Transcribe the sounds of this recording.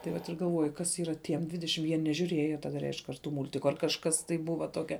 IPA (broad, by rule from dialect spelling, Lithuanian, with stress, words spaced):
tɐɪ ˈʋɐt ɪr ɡɐlˠˈʋoːjɪ ˈkɐs ˈiːrɐ ˈtʲiɛm ˈdʲʋʲɪdʲɛʃʲɪm jiɛ nʲɛʒʲuːˈrʲeːjoː tɐˈdɐ ˈrʲɛɪʃk ɐr ˈtʊ ˈmʊlʲtʲɪkʊ ɐr kɐʃˈkɐs tɐɪ ˈbʊʋɐ ˈtoːkʲɛ